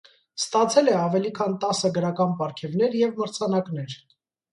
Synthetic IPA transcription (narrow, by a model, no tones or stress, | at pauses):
st̪ɑt͡sʰɛlɛɑvɛlikʰɑnt̪ɑsəɡəɾɑkɑnpɑɾkʰɛvnɛɾjɛvməɾt͡sʰɑnɑkn̪ɛɾ